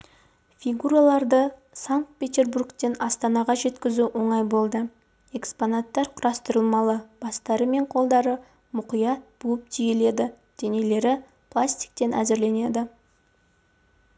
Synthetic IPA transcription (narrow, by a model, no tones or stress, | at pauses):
fʲiɡuɾɑlˠɑɾd̪əsaŋk̚t̪̚pʲe̞t̪ʲe̞rburkt̪e̞nɑst̪ɑnɑʁɑʒe̞t̪kʲɪzuwo̞ɴɑjbo̞lˠd̪ə | e̞kspo̞nat̪ːɑɾqʰʊɾɑst̪əɾəlˠmɑlˠəb̥ɑst̪ɑɾəme̞ɴqʰo̞lˠd̪ɑɾə | mʊqijɑt̪̚b̥uwəp̚t̪ʰijele̞d̪ɪ | d̪̥e̞ne̞le̞ɾɪ | plˠasʲt̪ʲi̥k̚t̪e̞næ̰zɪɾle̞ne̞d̪ɪ